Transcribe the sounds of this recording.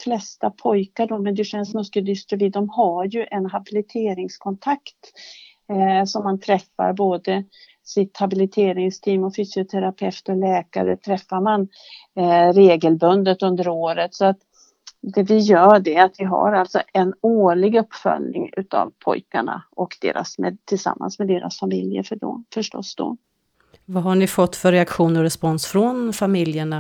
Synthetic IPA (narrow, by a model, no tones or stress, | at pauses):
flɛst̪apʰɔjkaɖɔmɛnd̪ɛʂɛnsmɔskəd̪ʏst̪ɾəvid̪ɔmɦaɾjɵʔɛnɦabɪlɪt̪ʰeːɾɪŋskʰɔnt̪ʰakt̪ | sɔmːant̪ʰɾɛfːa̰ɾboːd̪ə | sɪt̪habɪlɪt̪ʰeːɾɪŋst̪ʰiːmɔfyːsɪʊt̪ʰɛɾapʰɛft̪ɔlɛːka̰ɾə̰t̪ʰɾɛfːaɾman | ɾeːɡəlbɵnd̪ət̪ɵnd̪əɾoːɾət̪sɔat̪ | d̪ɛvɪjœːɖɛat̪vɪɦa̰ɾalt̪sɔʔɛnoːɭɪɡɵpːfœ̰lnɪ̰ŋʉ̟ːt̪a̰vpʰɔ̰jkaɳa̰ʔɔkd̪ḛːɾʔa̰smɛt̪ʰɪlsa̰mːa̰nsmɛd̪eːɾʔa̰sfamɪljə̰fəɖɔ̰fœʂʈɔ̰sːd̪ɔ̰ | vaɦaɳɪfɔt̪ːfœɾɛakɧuːnɔɾɛspɔnsfɾɔnfamɪljəɳa